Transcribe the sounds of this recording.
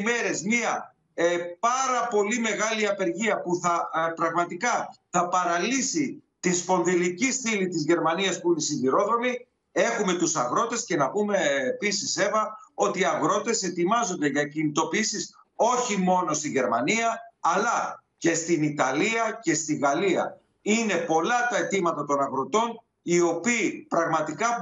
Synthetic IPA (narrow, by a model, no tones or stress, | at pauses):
me̞ɾe̞zmiɐ | pɐɾɐpo̞lime̞ɣɐliɐpe̞ɾʝiɐpuθɐpɾɐɣmɐt̪ikɐθɐpɐɾɐlisit̪ispo̞nðilicist̪ilit̪izʝe̞ɾmɐniɐspuinesinʝiɾo̞ðo̞mi | e̞xume̞t̪usɐɣɾo̞t̪e̞sce̞nɐpume̞ːpisise̞vɐo̞t̪iɐɣɾo̞t̪e̞se̞t̪imɐzo̞nd̪e̞ʝɐcinit̪o̞piisis | o̞çimo̞no̞st̪iʝe̞ɾmɐniɐːlɐ | ce̞st̪init̪ɐliɐce̞st̪iɣɐliɐ̰ | ine̞po̞lɐt̪ɐe̞t̪imɐt̪ɐt̪o̞nɐɣɾot̪o̞n | io̞piːpɾɐɣmɐt̪ikɐ